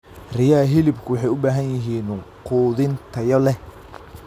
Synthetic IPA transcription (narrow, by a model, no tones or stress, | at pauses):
rɪjaːɦɪlɪbkʰʊwħɑjʊbaːɦɐnjɐɦiːnqʰuːðɪnt̪ʰɐjɔlɛ